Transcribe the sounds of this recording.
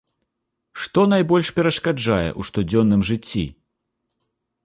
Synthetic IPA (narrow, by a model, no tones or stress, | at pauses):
ʂt̪ɔnajbɔlʲʂpʲɛɾɐʂkad͡ʐajɛ̰ʔuʂt̪ud͡zʲɔnːɨmʐɨt͡sʲːḭ